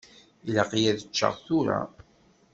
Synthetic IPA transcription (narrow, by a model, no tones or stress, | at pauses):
ilaqijæðət͡ʃːə̰ʁθuɾa̰